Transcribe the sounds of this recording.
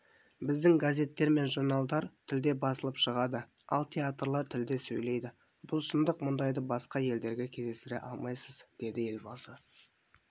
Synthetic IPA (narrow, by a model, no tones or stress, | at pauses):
bɪzd̪ɪŋɡazʲe̞t̪ːe̞ɾme̞nʒurnɑlˠd̪ɑɾt̪ʰɪld̪e̞bɑsəlˠəpʃəʁɑd̪ə | ɑ̰lˠt̪ʲʰeat̪rlˠɑɾt̪ʰɪld̪e̞sɵjle̞jd̪ɪ | bʊlˠʃənd̪əqmʊnd̪ɑjd̪əbɑsqɑje̞ld̪e̞ɾɡʲe̞kʲʰe̞zd̪esɪɾḛʔɑlˠmɑjsəzd̪̥e̞d̪ɪe̞lbɑsə